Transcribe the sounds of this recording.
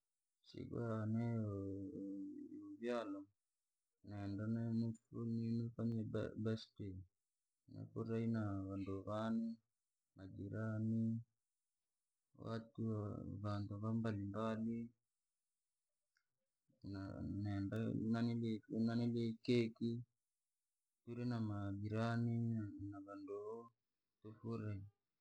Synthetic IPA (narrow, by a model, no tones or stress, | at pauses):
sḭɡwanɛ | uβjalɔ | nɛndanɛmufuninufaɲɛbɛste | nɛ̰puɾainaβanduβani | mad͡ʒiɾani | wa̰t̪uβant̪aβambalimbali | n̰nɛnda̰nanilenanilekeki | t̪uɾenamaɡiɾaninaβandoo | t̪ufuɾai